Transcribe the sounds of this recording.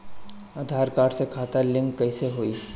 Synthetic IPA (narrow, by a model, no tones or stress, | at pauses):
ad̪ʱaːɾkaːɾɖsekʰaːt̪alɪ̃ŋkːɐɪseɦoːiː